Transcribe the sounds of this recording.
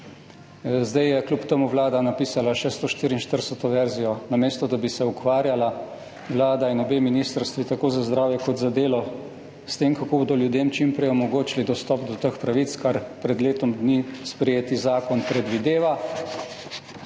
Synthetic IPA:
zd̪ajjɛklʲupt̪əmuʋlaːd̪anapiːsalaʃɛst̪ɔʃt̪iːɾinʃt̪əɾsɛt̪ɔʋɛɾzijɔnameːst̪ɔd̪abisɛukʋaːɾjala | ʋlaːd̪ainɔbeːminiːst̪əɾst̪ʋit̪akoːzazd̪ɾaːwjɛkɔt̪zad̪eːlɔ | st̪eːmkakoboːd̪ɔljud̪jeːmt͡ʃimpɾɛjɔmɔɡoːt͡ʃilid̪ɔst̪ɔp̚d̪ɔt̪əxpɾaʋit̪skaɾpɾɛd̪leːt̪ɔmd̪nispɾɛjeːt̪izaːkɔnpɾɛd̪ʋid̪eːʋa

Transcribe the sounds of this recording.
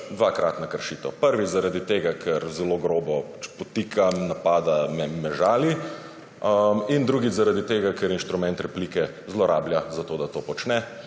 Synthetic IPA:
d̪ʋakɾat̪nakəɾʃit̪əpəɾʋizaɾad̪it̪eːɡakʰɛɾzɛloɡɾoːbɔpɔt̪ikʰanapaːd̪amɛmɛʒaːli | ind̪ɾuːɡizaɾad̪it̪eːɡakɛɾinʃt̪ɾumɛnt̪ɾɛpliːkɛ | zlɔɾʔa̰ːbljazat̪oːd̪at̪oːpɔt͡ʃnɛ

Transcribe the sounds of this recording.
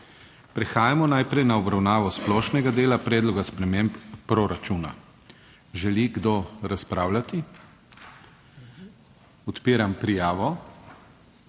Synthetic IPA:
pɾɛxaːjamɔnajpɾɛjnaɔbɾawnaːʋɔsplɔːʃnɛɡad̪eːlapɾɛːd̪lɔɡaspɾɛmempːɾɔɾat͡ʃuːna̰ | ʒɛliɡd̪oɾaspɾaːwlat̪i | ɔt̪piːɾampɾijaːʋɔ

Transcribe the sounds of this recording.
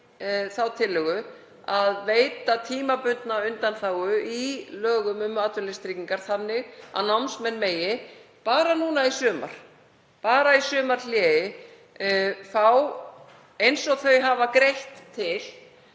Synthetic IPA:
θawt̪ʰɪlːʏɣʏ | aðveːjt̪at̪ʰiːmapʏnt̪naʏnt̪anθaːwʏilœːɣʏmʏmat̪vʏnlɛst̪ɾiciŋkaɾ̥θanːɪɣa̰namsmɛnmeːjɪpaːɾanuːn̪aisʏːma̰ɾ̥ | paːɾaisʏːmaɾljɛːjɪ | θaw | ejnsɔɣθœɥɦavakɾejht̪ʰːɪl

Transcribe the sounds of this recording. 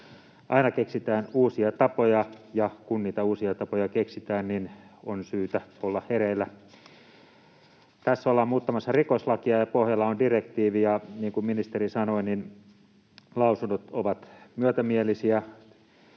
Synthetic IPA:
ʔɑinɑkeksit̪æːnuːsiɑt̪ɑpojɑjɑkunniːt̪æuːsiɑt̪ɑpojɑkeksit̪æːnninonsyːt̪æolːɑhheɾeilːæ | t̪æsːolːɑːmuːt̪ːɑmɑsːɑrikoslɑkiɑjɑpohjɑlːɑondirekt̪iːʋijɑniːŋkumminist̪erisɑnoinin | lɑˑusundot̪oʋɑt̪myøt̪æmielisiæ

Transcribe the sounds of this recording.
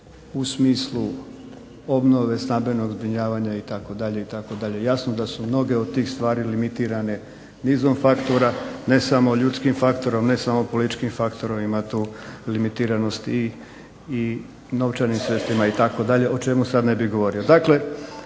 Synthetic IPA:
usmiːslu | o̞bno̞ʋe̞snambe̞no̞ɡzbɾiɲaːʋaɲait̪ako̞d̪aʎe̞it̪ako̞d̪aʎe̞jasnod̪asumno̞ɡe̞od̪̚t̪iːxst̪ʋaːɾilimit̪iːɾane̞ | niːzo̞mfakt̪oɾane̞samo̞ʎut̪skimfakt̪o̞ɾomne̞samo̞po̞lit̪t͡ʃkimfakt̪o̞ɾoʋimat̪uːlimit̪iːɾano̞st̪ | i | no̞ʋt͡ʃaɾnimsɾest̪imait̪ako̞d̪aʎe̞ʔo̞t͡ʃe̞musad̪ne̞biɣɡo̞ʋo̞ɾiod̪akle̞

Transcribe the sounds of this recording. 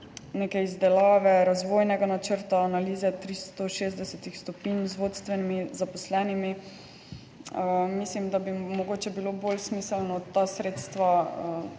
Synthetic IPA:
nekɛjizd̪ɛlaːʋɛɾazʋoːjnɛɡanat͡ʃəɾt̪aːnaliːzɛt̪ɾist̪ɔʃeːzd̪ɛsɛt̪ixst̪ɔpinzʋot̪st̪ʋɛnimizapɔslɛnimi | əmislimd̪abimɔɡoːt͡ʃɛbilobolsmiːsɛlnɔt̪ːasɾeːt̪st̪ʋaə

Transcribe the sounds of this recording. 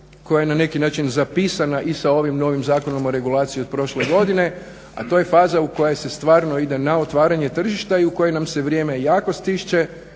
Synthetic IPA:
ko̞jajenane̞kinaːt͡ʃinzapiːsanaʔisao̞ʋimno̞ːʋimzaːko̞no̞moɾe̞ɡulˠaːt̪sijiod̪̚pɾo̞ʃle̞ɡo̞d̪ine̞ | a̰t̪oːje̞faːzauko̞jese̞st̪ʋaːɾno̞id̪e̞nao̞t̪ʋaːɾaɲe̞t̪r̩ʒiʃt̪aiuko̞jenamse̞ʋɾʲje̞ːme̞jaːko̞st̪iʃt͡ʃe̞

